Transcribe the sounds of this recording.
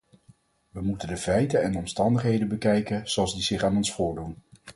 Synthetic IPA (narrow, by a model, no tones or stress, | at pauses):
ʋəmutəndəvɛjtənɛndəɔmstɑndəχɦejdənbəkɛjkənz̥oɑlˠzdizɪχaːnɔnsfʊːɹdun